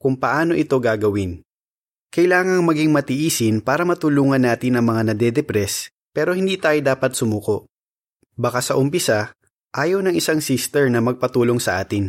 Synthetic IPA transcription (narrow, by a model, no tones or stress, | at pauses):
kʊŋpɐʔaːno̞ʔɪt̪o̞ɡaːɡɐwɪn | kɐjlaːŋɐŋmɐɡiŋmɐt̪ɪʔiːsɪnpaːɾɐmɐt̪ʊluːŋɐnːaːt̪ɪnɐŋmɐŋanɐd̪ɛd̪ɛpɾɛs | pɛːɾo̞hɪnd̪iːt̪aːjod̪aːpɐt̪̚sʊmuːko̞ʔ | bɐkasɐʔʊmpɪsa | ʔaːjownɐŋɪsaŋsist̪ɛɹnɐmɐɡ̚pɐt̪uːlo̞ŋsɐʔaːt̪ɪn